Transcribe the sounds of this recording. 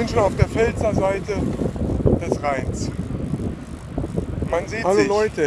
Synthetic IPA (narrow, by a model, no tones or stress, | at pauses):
ɪnʃənaʊfd̥eːɐfɛlt͡sɐzaɪtə | d̥ɛsʁaɪns | manziːaloɪlɔʏtə